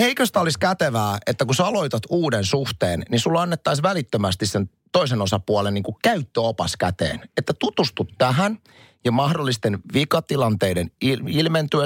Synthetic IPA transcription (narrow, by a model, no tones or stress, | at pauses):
eikøst̪æoliskæt̪eʋæːet̪ːækusɑlo̞it̪ɑt̪uːdensuht̪eːnnisulːɑnːet̪ːɑisʋælit̪ːømæst̪issen | t̪oisenosɑpuɑleniːŋkukæyt̪ːøopɑskæ̰t̪ḛːnet̪ːæt̪ut̪ust̪ut̪ːæɦæn | jɑmɑhdolːist̪enʋikɑt̪ilɑnt̪eideniilment̪yø